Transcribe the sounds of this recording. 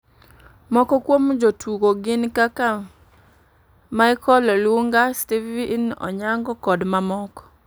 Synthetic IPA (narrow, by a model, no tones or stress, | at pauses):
mɔkɔkwomd͡ʒotʰuɡoɡɪnkaka | maɪkɔlɔlwuŋɡastivinɔ̰ɲaŋɡɔkɔdmamɔkɔ̥